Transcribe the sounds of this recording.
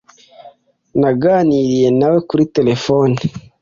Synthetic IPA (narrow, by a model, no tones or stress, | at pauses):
naɡaniɾijenawekuɾitelefoni